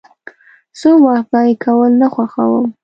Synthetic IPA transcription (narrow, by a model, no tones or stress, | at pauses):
somɑhɡɑɾikawəlnaxwaxawəm